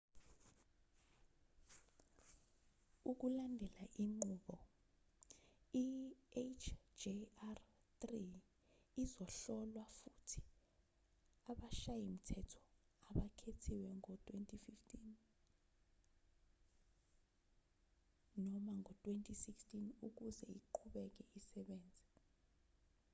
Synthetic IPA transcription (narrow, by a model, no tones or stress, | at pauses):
uk̬ulandʱɛlaʔiŋ͡ǃuːɓɔ | iet͡ʃʰd͡ʒiar | t̪riː | zɔɬɔlwafutʰi̥ | aɓaʃajim̩tʰɛtʰɔ̥ | aɓakʰetʰiwɛŋɔtʼwentʼififtʰʼin | nɔmaŋɔtʼwentʼisikstʼinuk̬uzɛ̰ḭǃʰuɓɛk̬ɛisɛɓeːnd͡zʱi